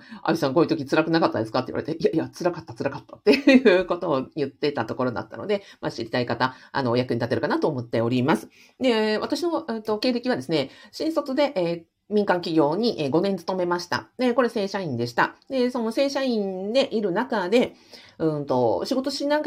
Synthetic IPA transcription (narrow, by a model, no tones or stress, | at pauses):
a̰isãŋkoit̪okʲit͡sɨɾakɯ̟nakat̪ːa̰d̪e̞sɨ̥kat̪ːeiβa̰ɾet̪eʔiaiat͡sɨɾakat̪ːat͡sɨɾakat̪ːḁt̪ːe̞jɯjɯ̟ːko̞t̪o̞ːjɯ̟t̪ːe̞t̪at̪o̞ko̞ɾo̞d̪a̰t̪ːa̰no̞̰d̪e̞maɕiɾʲit̪aikat̪aa̰nojakɯ̟ɲit̪at̪e̞ɾɯ̟kanat̪o̞ːmo̞t̪ːe̞o̞ɾʲimasɨ̥ | d̪e̞βat̪aɕino̞ɯ̟t̪o̞ke̞ːɾe̞kʲiβad̪e̞sɨne̞ɕĩɰ̃so̞t͡sɨd̪e̞ʔ | mʲĩŋkãŋkʲiɡʲo̞ːɲ̟iʔeɡo̞nẽ̞nt͡sɨ̥t̪o̞me̞maɕi̥t̪a̰d̪e̞ko̞ɾe̞se̞ːɕaĩnd̪e̞ɕi̥t̪a̰d̪e̞so̞no̞se̞ːɕaĩnd̪e̞ʔiɾɯ̟nakad̪e̞ | ɯ̟̃nt̪o̞ɕiɡo̞t̪o̞ɕinãŋ